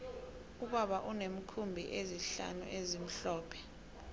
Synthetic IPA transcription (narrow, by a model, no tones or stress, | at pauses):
uɓaɓaʔunem̩kʰumbʱiʔeziɬa̰nṵʔezim̩ɬɔːpʰɛ̥